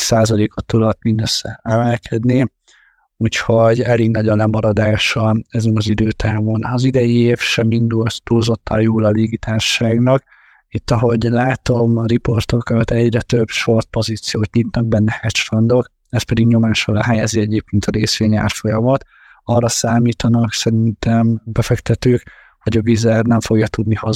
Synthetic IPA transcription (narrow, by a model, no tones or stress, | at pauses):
saːzɒleːkot̪ːud̪ɒt̪mind̪øsːɛɛmɛlkʰɛd̪ni | uːcho̞ɟɛliːɡnɒɟɒlɛmɒɾɒd̪aːʃɒɛzɛnɒzid̪øːt̪ʰaːvonɒzid̪ɛjieːfʃɛmind̪ulst̪uːzo̞t̪ʰːɒ̰joːlɒliɡit̪ʰaːnʃːaːɡnɒk | it̪ːɒɦo̞ɟlaːt̪o̞mripo̞rt̪o̞kɒt̪ɛɟrɛt̪øbʃo̞rt̪̚po̞ziːt̪sijoːt̪ɲit̪nɒɡ̚bɛnːɛhɛtt͡ʃfɔnd̪o̞k | ɛspɛd̪iɡɲo̞maːʃɒlɛɦɛjɛziɛɟeːp̚keːnt̪ʰɒɾeːsʋeːɲa̰ːrfo̞jɒmɒt̪ | ɒrːɒsaːmiːt̪ɒnɒksɛɾint̪ɛmbɛfɛkt̪ɛt̪øːk | hoɟɒvizɛrnɛɱfo̞ɡjɒt̪ud̪nihɒ